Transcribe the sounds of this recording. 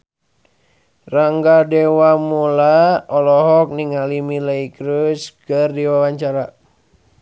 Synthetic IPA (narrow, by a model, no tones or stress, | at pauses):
raŋɡadɛwamulaɔlɔɦɔk̚niŋalimilaikɾuskɨrdiwawaɲt͡ʃaɾa